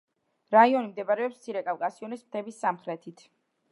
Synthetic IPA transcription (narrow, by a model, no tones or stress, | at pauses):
ɾaiɔnimd̪ɛbaɾɛɔpst̪sʰiɾɛkʼafkʼasiɔnismt̪ʰɛbisːamχɾɛt̪ʰit̪ʰ